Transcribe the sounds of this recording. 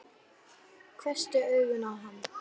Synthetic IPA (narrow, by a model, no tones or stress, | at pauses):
kʰvɛst̪ɪœːɥɣʏnavɦanː